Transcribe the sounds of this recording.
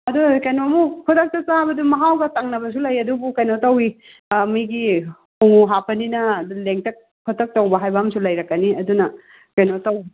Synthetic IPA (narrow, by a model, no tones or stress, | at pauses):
ɐdukɐjnomukʰutʰɐk̚tɐsabɐdumɐɦawɡɐtaŋnɐbɐsulɐjɐdubukɐjnotɐwi | mijɡi | huŋuɦapɐninɐduleŋtɐk̚ | pʰutʰɐk̚tɐwbɐɦajbamsulɐjɾɐkːɐniɐdunɐ | kɐjnotɐwi